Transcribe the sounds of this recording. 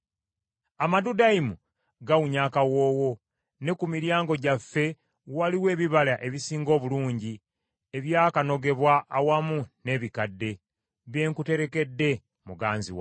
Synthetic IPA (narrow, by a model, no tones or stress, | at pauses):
amadudaimu | ɡawuɲaːkawo̞ːwo̞ | ne̞kumiɾjaːŋɡo̞ɟafːe̞ | waliwe̞ːβiβalaʔe̞βisiːŋɡo̞ːβuluːɲɟi | eβjaːkano̞ɡe̞βwaʔːwamune̞ːβikadːe̞ | βe̞ːŋkute̞ɾe̞ke̞dːe̞ | muɡaːnzḭwa̰